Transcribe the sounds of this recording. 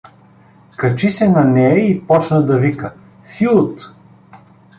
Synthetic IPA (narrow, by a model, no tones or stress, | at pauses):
kɐt͡ʃisɛnɐnɛjəipɔt͡ʃnəd̪ɐvikə | fit̪